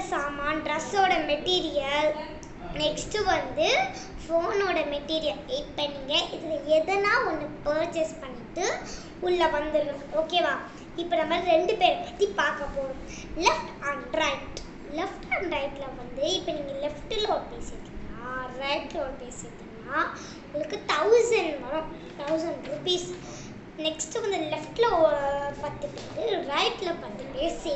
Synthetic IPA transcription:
saːmaːɖɾɐsoːɽɐmɛʈːiːɾɪjɐl | nɛksʈɯʋɐnd̪ɯ | foːnoːɽɐmɛʈːiːɾɪjɐleɪʈpːɐnːiːŋɡɐʔɪðɯlɐɛðɐnaːɔnːɯpɐːɾt͡ʃɛspɐɳːɪʈːɯ | ʊɭːɐʋɐnd̪ɯɾnʊ̃oːkeːʋaː | ɪpːoɐnɐmːaːd̪ɾiɾɛɳɖɯpeːɾpɐ̥t̪ːipaːɾkɐpoːɽʊ̃ | lɛfʈɐɳɾɐɪʈ | lɛfʈɐɳɖɾɐɪʈːlɐʋɐnd̪ɯɪpːɐniːŋɡɐlɛfʈɪloːɽpeːsɪɾt̪ːɯaːɾɐɪʈloːɽɐpeːsɪɾt̪ːɯnːaː | ʊŋɡɐɭɯkːɯt̪ɐʊsɐɳɖʋɐɾʊ̃ | t̪ɐʊsɐɳɖɾupiːs | nɛksʈɯʋɐnd̪ɯlɛfʈlɐpɐt̪ːɯpːeːɾɯɾɐɪʈlɐpɐt̪ːipeːɾse

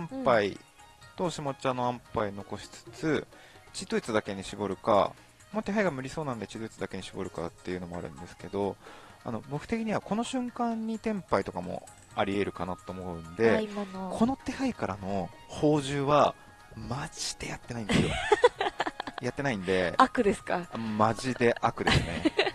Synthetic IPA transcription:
ãmpai | t̪o̞ɕimo̞t͡ɕiano̞ãmpaino̞ko̞ɕi̥t͡sɨ̥t͡sɨ | t͡ɕid̪oit͡sɨd̪ake̞ɲ̟iɕibo̞ɾɯ̟ka̰ | mot̪e̞ɦaiɡamɯ̟ɾʲiso̞ːnãnod̪e̞t͡ɕid̪oit͡sɨd̪ake̞ɲ̟iɕibo̞ɾɯ̟ka̰t̪ːe̞jɯ̟no̞mo̞a̰ɾɯ̟̰̃nd̪e̞sɨ̥ke̞d̪o̞a̰no̞bo̞kɯ̟̥t̪e̞kʲiɲ̟iβako̞no̞ɕɨ̃ŋkãɲ̟ːit̪ẽ̞mpait̪o̞kamo̞̰ | aɾʲie̞ɾɯ̟kanat̪ooːmo̞ɯ̟̃nd̪e̞kʰo̞no̞t̪e̞haikaɾano̞ | ho̞ːʑɨːβa | mad͡ʑi̥d̪̥e̞jat̪ːe̞naĩnd̪esijo | jat̪ːenaĩnd̪e̞akɯ̟d̪esɨ̥kamaʑid̪e̞ʔakɯ̟d̪esɨne̞

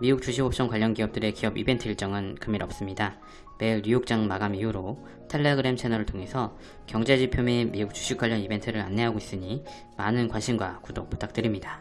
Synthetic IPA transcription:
miuk̚t͡ɕ͈uɕ̬ʰibop̚s͈ʌŋkwaʎːʌnɡiʌp̚t͈ɯɾe̞kiʌbibe̞ntʰɯiɭt͡ɕ͈ʌŋɯnkɯmiɾʌp̚s͈ɯmɲida | me̞ɾijok̚t͡ɕ͈aŋmaɡamijuɾo | tʰeʎːeɡɯɾemt͡ɕʰe̞nʌɾɯɭtʰoŋe̞sʰʌ | kjʌŋd͡ʑed͡ʑipʰjomemiuk̚t͡ɕ͈u̥ɕʰik̚kwaʎːʌnibe̞ntʰɯɾɯɾa̰nːe̞ɦaɡois͈ɯɲi | manɯnkwanɕʰimɡwakudok̚p͈u̥t͈ʰak̚t͈ɯɾimɲidḁ

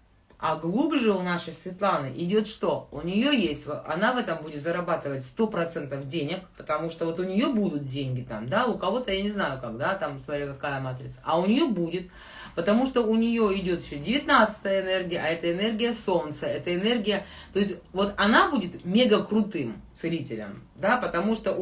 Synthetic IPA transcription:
ɐɡlˠubʐɨʊnaʂəjsvʲɪt̪lˠanɨʔɪdʲo̞t̪ʂt̪o̞ʊnʲɪjo̞jesʲtʲvɐ̰navɛt̪əmbudʲɪt̪zəɾɐbat̪ɨvətʲst̪o̞pɾɐt̪sɛnt̪əfdʲenʲɪkpə̥t̪ɐmuʂt̪ovo̞t̪ʊnʲɪjo̞bud̪ʊt̪̚dʲenʲɡʲɪt̪a̰md̪aʊkɐvo̞t̪əjanʲɪznajʊkaɡd̪at̪amsmɐɾʲikɐkajəmat̪ɾʲɪt̪səɐʊnʲɪjobudʲɪt̪̚ | pət̪ɐmuʂt̪o̞ʊnʲɪjoɪdʲo̞t̪ɪɕːodʲɪvʲɪt̪nat̪sɨ̥t̪əjəɪnɛrɡʲɪjəʔɐɛt̪əɪnɛrɡʲɪjəso̞nt̪səɛt̪əɪnɛrɡʲɪjət̪o̞ɪsʲtʲvo̞t̪ɐnabudʲɪt̪mʲeɡəkɾʊt̪ɨmt̪sɨlʲitʲɪlʲə̰md̪apət̪ɐmuʂt̪o

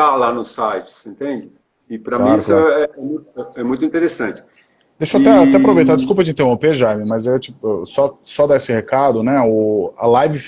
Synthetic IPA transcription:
alanʊsajt͡ʃɪ̥sĩnt̪ẽnd͡ʒɪ | ɪpɾɐmliaɾʊksklaɛɛmũj̃t̪ʊɛɛmũj̃t̪ʊĩnt̪eɾesɐ̃nt͡ʃɪ̥ | d̪ejʃoat̪ɛat̪ɛapɾovejt̪ad͡ʒɪskupɐʒẽt̪ẽopeʒamɪmɐzewt͡ʃipʊsɔsɔd̪aesɪhekad̪ʊnɛʊɐ̰lajvɪf

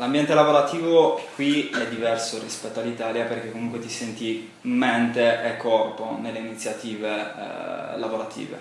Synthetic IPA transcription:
lambjɛnt̪elavoɾat̪iːvokːwiɛd̪ːivɛrsorispɛt̪ːoalːit̪aːljaperk̟ekːomuŋkwet̪isɛnt̪i | ment̪eʔekːɔrponelːeinit̪sːjat̪iːvḛ | lavoɾat̪ʰḭːvḛ

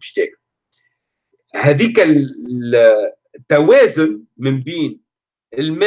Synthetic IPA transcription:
ʃt̪ḛːk | haːðiːka | t̪ːaweːzʊn | mɪmbiːn | ɪlm

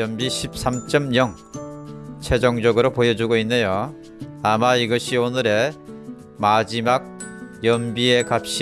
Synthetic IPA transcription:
ʌmbiɕʰip̚s͈amt͡ɕ͈ʌmjʌŋ | t͡ɕʰe̞d͡ʑʌŋd͡ʑʌɡɯɾopojʌd͡ʑuɡoinːejo | amaiɡʌɕʰionɯɾe̞ | mad͡ʑimak̚jʌmbie̞kap̚ɕ͈i

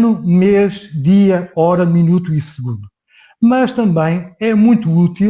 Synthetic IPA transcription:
numeʒd̪iɐɔɾɐminut̪uisɨɣũnd̪u | mɐʃt̪ɐ̃mbɐ̃j̃ɛmũj̃t̪uut̪i

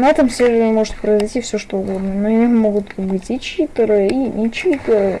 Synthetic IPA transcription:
nat̪ɐmsʲeɾmo̞ʐɨt̪̚pɾəɪzɐɪtʲifsʲoʂt̪oʊɡo̞d̪nəənoɪjʲommːo̞ɡʊt̪bɨtʲit͡ɕit̪ɨɾɨinʲɪt͡ɕit̪ɨɾɨ

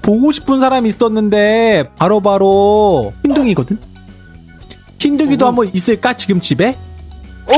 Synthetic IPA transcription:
poɡoɕʰi̥pʰɯnsʰaɾamiːs͈ʌnːɯnde̞paɾobaɾoçindɯŋiɡʌdɯɲ | çindɯŋidohambʌnis͈ɯɭk͈at͡ɕiɡɯmt͡ɕibe̞

